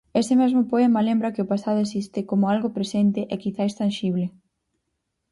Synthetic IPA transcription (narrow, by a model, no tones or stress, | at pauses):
esɪmɛzmʊpoɛmɐlẽmbɾɐkɪʊpasaðʊesist̪ɪkomʊalɣʊpɾesent̪ɪʔɛkiθaest̪anʃiβ̞lɪ